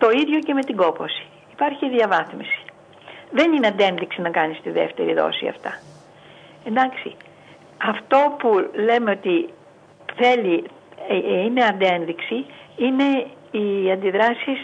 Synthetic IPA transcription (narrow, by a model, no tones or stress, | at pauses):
t̪o̞iðʝo̞ce̞me̞t̪iɡo̞po̞si̥ | ipɐɾçiðjɐvɐθmisi̥ | ðe̞nineɐnd̪e̞nðiksinɐkɐnist̪iðe̞̰ft̪e̞̰ɾiðo̰sḭɐ̰ft̪ɐ | e̞nd̪ɐksi | ɐft̪o̞pule̞me̞o̞t̪i | θe̞li | ine̞ɐnd̪e̞nðiksiine̞ | iɐnd̪iðɾɐsis